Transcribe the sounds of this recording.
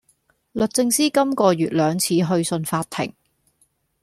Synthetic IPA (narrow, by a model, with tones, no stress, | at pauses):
lɵ˨t̚t͡sɪ˧ŋsiː˥kɐ˥mkɔː˧jyː˨t̚lœː˨˧ŋt͡sʰiː˨˧ɦɵ˧ɥsɵ˧nfaː˧t̪ʰɪ̰˨˩ŋ